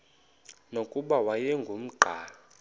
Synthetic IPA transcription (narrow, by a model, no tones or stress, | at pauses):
nokʼuɓawajɛŋɡʱum̩ɡ͡ǃʱaːla